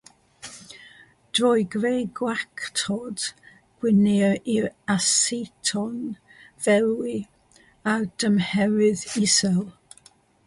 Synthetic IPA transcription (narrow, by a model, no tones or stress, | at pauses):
d̥rɔjɡrejɡwakʰtʰɔd̥ | ɡ̥wɪniʔiasetʰɔn | v̥ɛlˠwi | ad̥əmhɛwɪðɪsɛlˠ